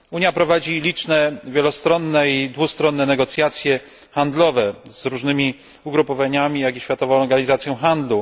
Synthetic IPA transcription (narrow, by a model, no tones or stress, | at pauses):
uɲjapɾɔvad͡ʑilʲit͡ʂnɛvʲjɛlɔst̪ɾɔnːɛid̪vust̪ɾɔnːɛnɛɡɔt̪sʲjat̪sʲjɛ | xand̪lɔvɛz̥ɾuʐnɘmʲi | uɡɾupɔvaɲamʲijaɡiɕfʲjat̪ɔvɔ̃lɔɾɡaɲizat̪sʲjɔ̃w̃xand̪lu